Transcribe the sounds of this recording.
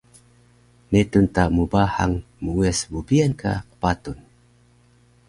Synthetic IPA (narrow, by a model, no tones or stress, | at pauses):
netuntamubaha̰ŋ | muuɛsbubiankʰa̰qə̥patun